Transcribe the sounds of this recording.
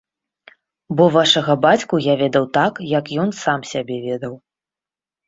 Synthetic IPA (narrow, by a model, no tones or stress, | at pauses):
bɔvaʂɐɣɐbat͡sʲkujavʲɛd̪ɐwt̪akjɐkjɔnsamsʲabʲɛvʲɛd̪ɐw